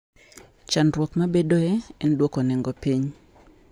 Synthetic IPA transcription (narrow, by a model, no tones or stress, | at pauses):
t͡ʃanɾwɔt̪mabedoɛɛndwokɔnɛŋɡɔpiɲ